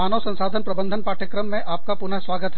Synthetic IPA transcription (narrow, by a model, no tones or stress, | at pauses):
aːnəʋsɐ̃nsaːd̪ʱənpɾɐbə̃nd̪ʱənpaːʈʰjəkɾəmːẽʔaːp̚kapʊnəsʋaːɡət̪ɦɛ